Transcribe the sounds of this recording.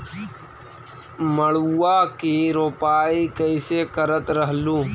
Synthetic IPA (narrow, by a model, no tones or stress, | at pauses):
məɭːaːkiɾoːpaːikəɪsekəɾət̪ɾəɦlũː